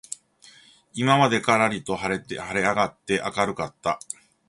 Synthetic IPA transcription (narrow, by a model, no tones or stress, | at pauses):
imamad̪e̞kaɾaɾʲit̪o̞haɾet̪haɾe̞aɡat̪ːe̞ʔakaɾɯ̟kat̪ːa